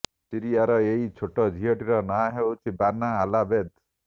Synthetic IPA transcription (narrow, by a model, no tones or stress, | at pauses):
siɾiaɾɔeit͡ʃʰoʈɔd͡ʒʱijɔʈiɾɔnaɦewt͡ʃʰibanaːlabed̪